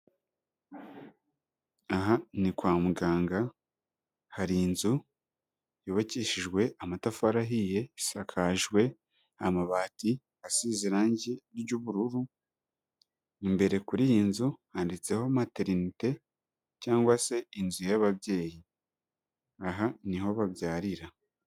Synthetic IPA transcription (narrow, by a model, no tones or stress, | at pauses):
aɦanikwaːmuɡaːŋɡa | haɾiinzu | joβaciʃiʒɡwe̞ʔamatafaɾaɦije̞sakʰaʒɡwe̞ | amaβaːti | asiziɾaːɲɟeɟuβuɾuɾu | imbe̞ɾe̞kuɾijinzuhandit͡se̞ho̞mateɾinite̞ | caːŋɡwase̞inzujaβaβje̞ːji | aɦaniɦo̞βaβjaːɾiɾa